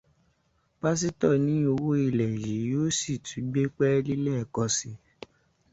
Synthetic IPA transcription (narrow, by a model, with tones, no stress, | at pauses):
ba˦s̬i˦tɔ˦˨nĩ˨˦o˧wo˦i˦˨lɛ˨ji˨˦joː˦si˦˨tʰu˨˦ɡ͡be˦k͡pɛ˦li˦lɛ˦˨kɔ˧si˧